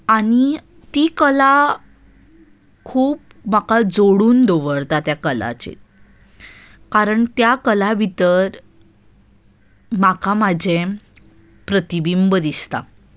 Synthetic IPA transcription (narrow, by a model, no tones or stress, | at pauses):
aɽ̃i | t̪ikəla | kʰuːp̚makad͡zoɽuːnd̪oʋəɽt̪at̪jakəla̰t͡ɕḛ | kaɾəɳt̪jakəlaʋit̪əɾ | makʰamad͡ʑʱẽ | pɾət̪ibimbəd̪ist̪a̰